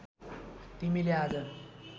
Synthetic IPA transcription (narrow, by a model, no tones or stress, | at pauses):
t̪im̤ilead͡zə